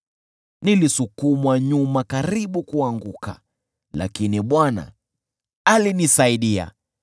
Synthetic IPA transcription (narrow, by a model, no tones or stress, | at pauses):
nilisukumwaɲumakaɾiɓukuaŋɡuka̰ | la̰kiniɓwana̰ | alinisaiɗia̰